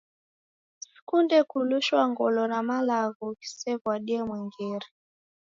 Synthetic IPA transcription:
kundɛkuluʃwaŋɡɔlɔnamalaɣɔki̥sɛvwaɗiɛmwɛŋɡɛɾi

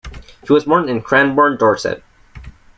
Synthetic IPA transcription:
hiwʌzbɔ̃ɹnɨ̃nkʰɹ̥æ̃nbɔɹndɔɹsɛ̰d̚

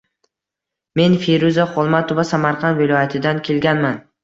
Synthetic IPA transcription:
me̞nfejɾuzaχolˠmat̪ʰovasamaɾqʰɑnvɪlˠɒjat̪ʰɪd̪ankʲʰe̞lɡʲanman

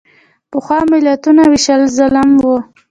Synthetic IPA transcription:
pəxwɑmɪlat̪unawɪʃəlzəlamwə

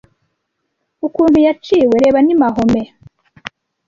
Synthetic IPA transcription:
ukuːnhujat͡ʃiwe̞ɾe̞ːβanimaɦo̞me̞

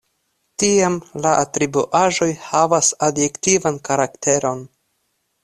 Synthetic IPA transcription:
tiamlaʔatɾibuʔaʒo̞jhavasadje̞ktivankaɾakte̞ɾo̞n

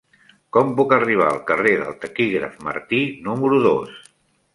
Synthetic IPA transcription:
kɔmpukəriβ̞aəlˠkəreðə̰lˠt̪əkiɣɾə̰fmə̰ɾt̪inuməɾuðo̰s

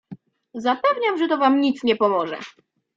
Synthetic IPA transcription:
zapɛvɲamʐɛt̪ɔvamɲit̪sɲɛpɔmɔʐɛ̰

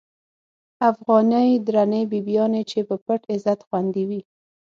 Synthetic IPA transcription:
afɣɑnəjd̪ɾanəjbibjɑnet͡ʃepəpəʈɪzat̪xwand̪iwi

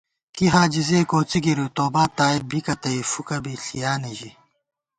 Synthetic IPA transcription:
kiɦaːd͡ʑizeːkoːt͡siɡiɾut̪oːbaːt̪aːibikɐt̪ɐifukɐbiɬijaːniʑi

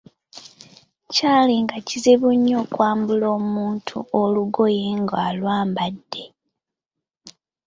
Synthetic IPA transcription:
caːliŋɡaciziβuɲːo̞ːkwaːmbulo̞ːmuːntʰṵoluɡo̞jeŋɡaːlwaːmbadːe̞

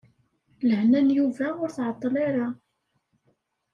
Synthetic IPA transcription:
ləʕnænjuvæʊɾθʕɑt̪ˤːleɾa

